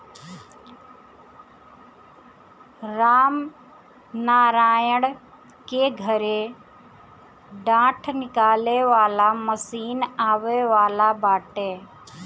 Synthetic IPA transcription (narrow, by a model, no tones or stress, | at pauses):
ɾaːm | naːɾaːjəɽ | keɡʱəɾe | ɖãːʈʰnɪkaːleʋaːlaməsiːnaːʋeːʋaːlabaːʈeː